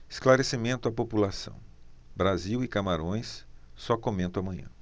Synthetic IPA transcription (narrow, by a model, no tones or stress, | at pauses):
ɪsklaɾesimẽnt̪ʊapopulasɐ̰̃w̃ | bɾaziwɪkamaɾõj̃ssɔkomẽnt̪ʊamɐ̃jɲɐ̰̃